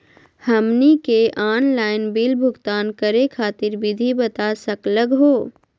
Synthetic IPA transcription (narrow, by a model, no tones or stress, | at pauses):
hɐmnikeʔaːnlaːɪnbilbʱʊɡt̪aːnkɐɾekʰaːt̪ɪɾbɪd̪ʱibɐt̪asɐkləɡɦoː